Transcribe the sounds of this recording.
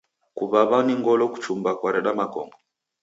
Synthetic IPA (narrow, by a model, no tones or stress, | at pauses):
kuβaβaniŋɡɔlɔku̥t͡ʃumbakwaɾɛɗamakɔ̰ŋɡɔ